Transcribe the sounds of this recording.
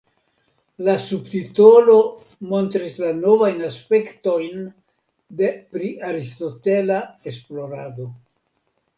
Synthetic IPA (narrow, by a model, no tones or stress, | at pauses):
lasubtito̞lo̞ | mo̞ntɾislano̞vajnaspe̞kto̞jn | de̞pɾiʔaɾisto̞te̞laesplo̞ɾado̞